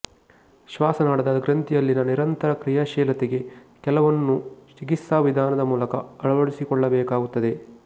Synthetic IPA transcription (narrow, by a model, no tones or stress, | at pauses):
ʃʋaːsɐnaːɽɐd̪ɐɡɾɐnt̪ijɐlːinɐniɾɐnt̪ɐɾɐkɾijaʃɛːlɐt̪eɡe̞ | kɛlɐʋɐnːuʃikisaːʋid̪ʱaːnɐd̪ɐmuːlɐkɐɐɭɐʋɐɽisikɔɭːɐbɛːkaːɡut̪ːɐd̪e̞